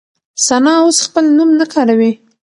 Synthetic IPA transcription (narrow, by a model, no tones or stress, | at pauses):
sanɑosxpəlnumnakʰɑɾawi